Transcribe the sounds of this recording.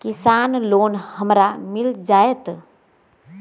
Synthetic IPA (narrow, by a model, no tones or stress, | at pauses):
kisanloːnhəmɾamild͡ʒaet̪